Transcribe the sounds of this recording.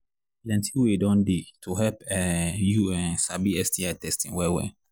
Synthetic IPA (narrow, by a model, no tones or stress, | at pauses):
lɛ̃ntʰiwedɔ̃nditʰuɦɛlpɛjuɛ̃nsabiɛstʰiatɛstĩŋwɛwɛ̰